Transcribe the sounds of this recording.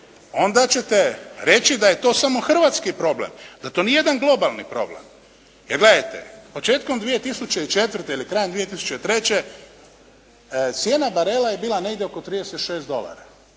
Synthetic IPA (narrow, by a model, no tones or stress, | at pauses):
o̞nd̪at͡ɕe̞t̪e̞ɾe̞t͡ɕid̪aje̞t̪o̞ːsamo̞xr̩ʋat̪skipɾo̞blḛmd̪at̪o̞nijejed̪anɡlo̞balˠnḭpɾo̞̰blḛm | jeɾɡle̞d̪ajt̪ḛpo̞t͡ʃe̞ːt̪ko̞md̪ʋije̞t̪isut͡ɕe̞it͡ʃe̞t̪ʋr̩t̪eilikɾajend̪ʋije̞t̪isu̥t͡ɕe̞it̪ɾe̞t͡ɕe | t̪sjeːnabaɾe̞laje̞biːlˠane̞ɡd̪ʲjeoko̞t̪ɾiːd̪eset̪ʃe̞ːsd̪o̞la̰ɾa